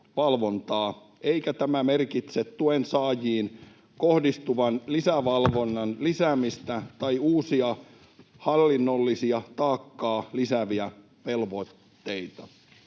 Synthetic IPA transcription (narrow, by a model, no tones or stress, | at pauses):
ʋɑlʋont̪ɑː | eikæt̪æmæmerkit̪set̪tuensɑːjiːn | kohdist̪uʋɑnlisæʋɑlʋonːɑnlisæmist̪æt̪ɑiuːsiɑ | hɑlːinːolːisiɑt̪ɑːkːɑːlisæʋiæ | ʋelʋot̪ːejt̪ɑ